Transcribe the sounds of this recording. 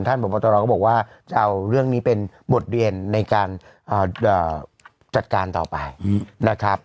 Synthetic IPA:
nt̪ʰa˥˩npʰo˩˦mpːɔ˧t̪ɔː˧ɾɔː˧kːbɔː˨˩k̚waː˥˩ | t͡ɕa˧ʔa˧wɾɯ˥˩əŋniː˦˥pe˧n | bo˨˩t̪̚ɾi˧ənːa˧jkaː˧n | ʔəː˨˩ʔəː˨˩ | t͡ɕa˨˩t̪̚kaː˧nt̪ɔ̰ː˨˩pa˧jna˦˥kʰɾa˦˥p̚

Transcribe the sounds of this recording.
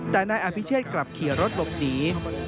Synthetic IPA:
t̪ɛː˨˩naː˧jʔa˧˩pʰi˦˥t͡ɕʰiː˥˩t̪̚kla˨˩p̚kʰi˨˩˦əɾo˦˥t̪̚lo˨˩p̚niː˦˥

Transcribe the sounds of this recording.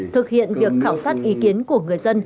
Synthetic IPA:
t̪ʰɨ˨˩k̚hḭ˧˨ənvi˨˩ək̚xaː˧˩wsaː˦˥t̚ʔi˨˦ki˨˦ənku˧˩əŋɨ˨˩əjzə˧n

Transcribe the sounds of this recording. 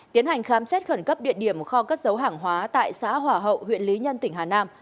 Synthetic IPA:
t̪i˨˦ənha˨˩jŋ̟xaː˨˦msɛ˦˥t̚xə˧˩nkə˦˥p̚ɗḭ˧˨ənɗi˧˩əmxɔ˧kaː˦˥k̚zə˨˦wɦaː˧˩ŋɦwaː˨˦t̪a̰ː˧˨jsa̰ː˧˥ɦwaː˧˩ɦə̰˧˨whw̰ənli˨˦ɲə˧nt̪ï˧˩ŋ̟haː˨˩naː˧m

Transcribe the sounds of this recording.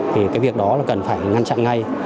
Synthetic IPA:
t̪ʰi˨˩kaː˨˦jvi˨˩ək̚ɗɔ˨˦laː˨˩kə˨˩nfaː˧˩jŋa˧ŋt͡ɕa̰˧˨nŋa˧j

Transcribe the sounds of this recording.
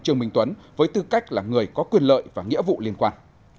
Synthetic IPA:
t͡ɕɨ˧əŋmï˧ŋ̟t̪wə˨˦nvəː˨˦jt̪ɨ˧ka˦˥jk̟̚laː˨˩ŋɨ˨˩əjkɔ˨˦kwi˨˩ənlə̰ː˧˨jvaː˨˩ŋḭ˧˥əvṵ˧˨li˧ənkwaː˧˩n

